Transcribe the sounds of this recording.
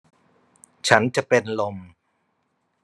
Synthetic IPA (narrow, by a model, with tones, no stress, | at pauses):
t͡ɕʰa˦˥nt͡ɕa˨˩ʔpe˧nlo˧m